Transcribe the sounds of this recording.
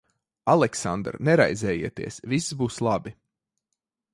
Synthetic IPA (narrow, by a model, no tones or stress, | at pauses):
alˠɛksa̰nd̪ɾnɛɾajzɛːjiɛt̪ḭɛsviszbuːslˠabi